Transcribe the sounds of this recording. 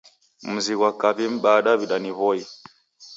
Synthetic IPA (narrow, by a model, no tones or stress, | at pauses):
m̩ziɣwakaβim̩ɓaɗaβiɗaniβɔi